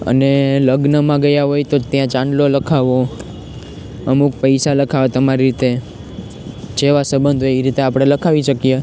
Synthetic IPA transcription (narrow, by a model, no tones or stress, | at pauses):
ə̰neləɡnəmãɡəjaɦojt̪ot̪jãt͡ʃãɳɖloləkʰaʋo | əmuk̚pəjsaləkʰaʋet̪əmaɾiɾit̪e | t͡ʃeʋasəbənd̪ʱoeʋiɾit̪eapɽ̃eləkʰaʋiʃəkije